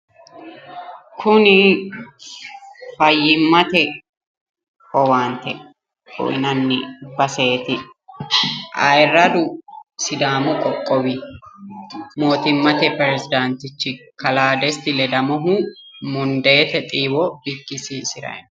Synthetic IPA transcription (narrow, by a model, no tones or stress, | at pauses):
kʰʊnɪ | fɐjːɪmːɐt̪ɛ | ɔwaːnt̪ɛ | ɔ̰jnɐnːɪbɐseːt̪ɪ | ʔɐjrːɐd̪ʊsɪd̪aːmɔkʼɔkʼːɔwi | mo̞ːt̪ɪmːɐt̪ɛpɛɾɛsɪd̪ant̪ɪt͡ʃːɪkɐlaːd̪ɛst̪ɪlɛd̪ɐmɔɦʊ | mʊnd̪eːt̪ɛt̪ʼiːwɔb̥ɪkːɪsisɪɾɐ̰jn